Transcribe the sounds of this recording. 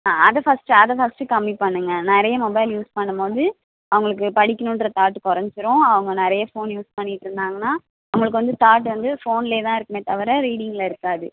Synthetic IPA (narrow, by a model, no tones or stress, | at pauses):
aːɐðɐfɐsʈɯɐðɐfɐsʈɯkɐmːipɐɳːɯŋɡɐnɪɾɐjɐmɔbɐɪljuːspɐɳːɯmpoːðɯ | ɐʋɐŋɡɐɭɯk̬ːɯpɐɽɪkːɐnʊnɖɾɐt̪aːʈːɯkɔɾɐɲd͡ʒɯɾõːɐʋɐŋɡɐnɪɾɐjɐfoːnjuːspɐɳːɪʈːɯɾɯnd̪aːŋɡɐnːaː | ɐʋɐŋɡɐɭɯk̬ːɯʋɐnd̪ɯt̪aːʈ̬ːɯʋɐnd̪ɯfoːnɪleːt̪ãːɪɾɯkːɯmeːt̪ɐʋɐɾɐɾiːɽɪŋɡɐlɪɾɯkːaːðɯ